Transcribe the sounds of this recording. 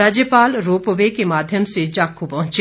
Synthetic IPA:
aːd͡ʒjəpaːlɾoːpʋekemaːd̪ʱjəmsed͡ʒaːkʰũpɐɦʊ̃t͡ʃ

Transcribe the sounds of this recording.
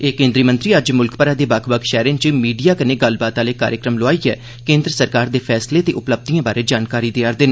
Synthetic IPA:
eːkẽːnd̪ɾiːmənt̪ɾiːəd͡ʒmʊlkpəɾaːd̪eːbakʰbəkʃɛːɾẽːnt͡ʃəmiːɖijaːkəneːɡəlbaːt̪aːleːka̰ːɾjəkɾəmloaːiːɛː | kẽːnd̪ɾəsəɾkaːɾd̪eːpʰɛːsleːt̪eːʔʊpləb̚d̪iːãːbaːɾeːd͡ʒaːnkaːɾiːd̪eaːɾd̪en

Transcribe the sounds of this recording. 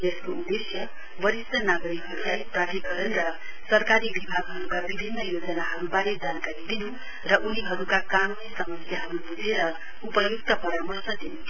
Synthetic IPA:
eskoud̪esjʌ | bʌɾisʌnaɡʌɾikusajpraʈʰiɡʌɾʌnrʌ | sʌrkaɾibibʱaɡɦʌɾukabibʱinːʌjod͡zʌnaɦʌɾubaɾed͡zankaɾid̪inu | rʌʔuniɦʌɾukakanunisʌmʌsjaɦʌɾubud͡zʱeɾʌ | upʌjukt̪ʌpʌɾamʌrsʌd̪inu

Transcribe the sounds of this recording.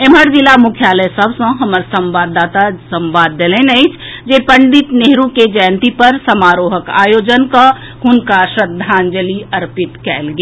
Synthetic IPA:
eməɾd͡ʒɪlamʊkʰjaːləjsəbsɐ̃ɦɐməɾsɐ̃mʋaːd̪ːaːt̪asə̃mʋaːd̪ːelẽnɐɪt͡ʃʰd͡ʒeːpə̃ɳɖɪt̪neɦɾũked͡ʒɛːnt̪ipɐɾsɐmaːɾoːɦəka̰ːjoːd͡ʒənka | hʊnkaʃɾəd̪ʱːaːnd͡ʒəliɐɾpɪt̪kɛːlɡa

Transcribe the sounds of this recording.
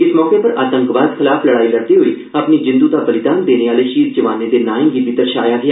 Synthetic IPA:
ɪsmɔːkeːpəɾaːt̪ə̃ŋkʋaːd̪kʰɪlaːpʰləɽaːiːləɽ̚d̪iːɦoːiː | apniːd͡ʒɪ̃nd̪uːd̪aːbəlɪd̪aːnd̪eːneːaːleːʃiːɾd͡ʒəʋaːneːd̪eːnaːɪ̃ŋɡiːbɪt̪əɾʃa̰ːjaːɡɪa

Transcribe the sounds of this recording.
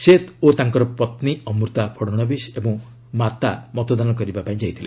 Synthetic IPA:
set̪ot̪aŋkɔɾɔpɔt̪niɔmuɾt̪apʰɔɽɔɽ̃ɔbisebɔ̃ŋ | mat̪amɔt̪ɔd̪anɔkɔɾibapaĩd͡ʒaɦit̪ʰilḛ

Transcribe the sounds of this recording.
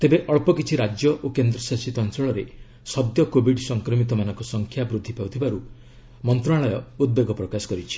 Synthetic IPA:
t̪ebeʔɔɭpɔkit͡ʃʰiɾad͡ʒjɔʔokend̪ɾɔsasit̪ɔnsɔɭɔɾe | sɔd̪jɔkobiɖsɔŋkɾɔmit̪ɔmanɔŋkɔsɔŋkʰjabɾud̪ʱːipaut̪ʰibaɾu | mɔnt̪ɾɔaɭɔjɔud̪̚beɡɔpɾɔkasɔ̥kɔɾit͡ʃʰi̥

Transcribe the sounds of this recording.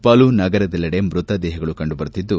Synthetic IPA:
pɐːlunɐɡɐɾɐd̪ɛlːɐɽe̞mɾut̪ɐd̪ɛːɦɐɡɐɭukɐɳɖubɐɾut̪ːid̪ːu

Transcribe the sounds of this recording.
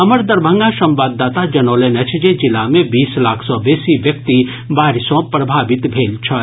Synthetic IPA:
ɐməɾd̪ɐɾbʱə̃ŋɡaʃɐ̃mʋaːd̪ːaːt̪ad͡ʒɐnoːlenɐt͡ʃʰd͡ʒed͡ʒɪlamẽbiːslaːkʰsɔbeːsiʋjɐk̚t̪i | baːɾɪsõpɾɐbʱaːʋɪt̪bʱeːlt͡ʃʰɐ

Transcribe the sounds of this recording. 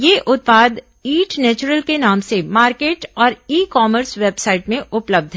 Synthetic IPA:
jeːʔʊt̪̚paːd̪ | iːʈnɛːt͡ʃʊɾəlkenaːmsemaːɾkeːʈɔːɾiːkɔːməɾsʋeːbsaːɪʈmẽʊpləb̚d̪ʱɦɛ

